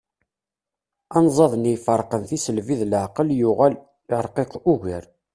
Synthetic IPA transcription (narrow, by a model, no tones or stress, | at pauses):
ɑnzˤɑðˤnijfəɾˤqənθisəlviðləʕqəljʊʁæl | ɾˤqequʝəɾ